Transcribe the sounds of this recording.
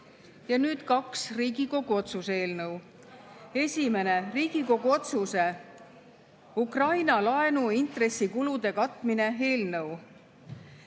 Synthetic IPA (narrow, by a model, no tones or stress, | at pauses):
jɑnyːd̪̥kɑksriːɡiko̞ɡ̥uo̞t̪suse̞ːlnɤw | e̞sʲime̞ne̞riːɡ̥iko̞ɡ̥uo̞t̪suse̞ | ukrɑjnɑlɑe̞nuint̪re̞sːikulud̪̥e̞kɑt̪ːˑmine̞ɦe̞ːlnɤw